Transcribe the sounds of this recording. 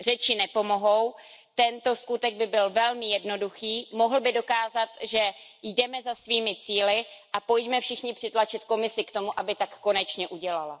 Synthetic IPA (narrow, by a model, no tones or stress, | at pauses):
r̝ɛt͡ʃɪnɛpo̞mo̞ɦo̞w | t̪ɛnt̪o̞skut̪ɛɡ̚bɪbɪlvɛlmɪjɛdno̞duxiːmo̞ɦl̩bɪdo̞kaːzat̪ʒɛjdɛmɛzasviːmɪt͡siːlɪʔapo̞jcmɛfʃɪxɲɪpr̥ɪt̪lat͡ʃɪt̪ko̞mɪsɪkt̪o̞muʔabɪt̪akːo̞nɛt͡ʃɲɛʔuɟɛlala̰